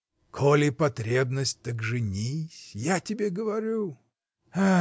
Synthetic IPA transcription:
kʰolʲɪpɐt̪ɾʲebnəsʲt̚ʲt̪əɡʐɨnʲisʲjatʲɪbʲeɡəvɐɾʲu | a

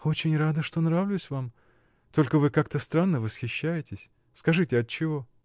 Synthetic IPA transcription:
o̞t͡ɕɪnʲrad̪əʂt̪o̞nɾavlʲʊsʲvam | t̪o̞lʲkəvɨkak̚t̪əst̪ɾanːəvəsxʲɪɕːæjɪtʲɪsʲ | skɐʐɨtʲɪɐt̪̚t͡ɕːɪvo̞

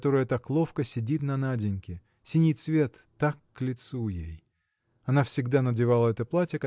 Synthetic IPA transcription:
t̪o̞ɾəjət̪aklˠo̞fkəsʲɪdʲit̪nɐnadʲɪnʲkʲɪ | sʲɪnʲijt̪svʲe̞t̪ːakːlʲɪt̪sujej | ɐnafsʲɪɡd̪anədʲɪvalˠəɛt̪əplˠatʲjək

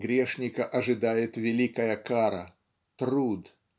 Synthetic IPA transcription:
ɡɾʲeʂnʲɪkəʔɐʐɨd̪ajɪt̪vʲɪlʲikəjəkaɾə̰ | t̪rud̪

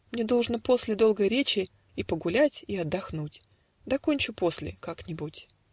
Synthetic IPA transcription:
mnʲe̞d̪o̞lˠʐnəpo̞sʲlʲɪd̪o̞lˠɡəjɾʲet͡ɕɪ | ipəɡʊlʲætʲiɐd̪ːɐxnutʲ | d̪ɐko̞nʲt͡ɕʊpo̞sʲlʲɪ̰kaknʲɪbutʲ

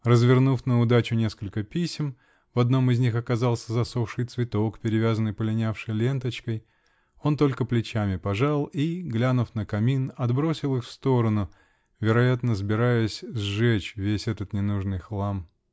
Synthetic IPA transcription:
rəzvʲɪrnufnəʊd̪at͡ɕʊnʲe̞skəlʲkəpʲisʲɪm | vɐd̪no̞mɪzʲnʲixɐkɐzɑlˠsʲəzɐsofʂɨjt̪svʲɪt̪o̞kpʲɪɾʲɪvʲazənːɨjpəlʲɪnʲafʂɨjlʲe̞nt̪ət͡ɕkəj | o̞nt̪o̞lʲkəplʲɪt͡ɕæmʲɪpɐʐalˠiɡlʲanʊfnəkɐmʲinɐd̪bɾo̞sʲɪlˠɨxfst̪o̞ɾənʊ | vʲɪɾɐjat̪nəzbʲɪɾajʊsʲzʐɛt͡ɕvʲesʲɛt̪ət̪nʲɪnuʐnɨjxlˠam

